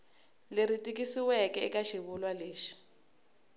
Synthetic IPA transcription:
leɾitʼik̬isiwɛkɛɛ̰kaʃiβulwaleːʃi̥

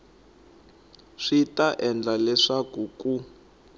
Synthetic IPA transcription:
ʂitaʔɛnd͡ɮalɛʂakuku

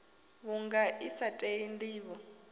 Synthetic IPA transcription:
βuŋɡaʔisatʼeindiːβɔ

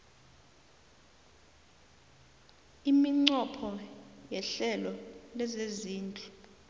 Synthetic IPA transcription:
imiŋ͡ǀɔpʰɔjɛɬɛlɔlɛzeziːnd͡ɮʱʼu̥

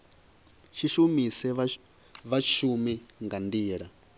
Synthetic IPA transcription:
ʃiʃumisɛ | βat͡ʃʰumiŋɡandiːɺa

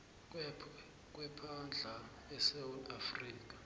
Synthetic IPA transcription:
k̬ʼwɛpʰand͡ɮʱa | ɛsawutafriːk̬ʼḁ

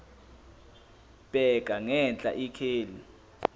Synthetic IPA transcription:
b̥ɛk̬ʼaŋɛnt͡ɬʼa̰ʔikʰeːli

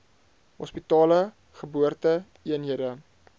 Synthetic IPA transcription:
ɦɔspitɑːlə | χəbuərtə | iənɦiədə

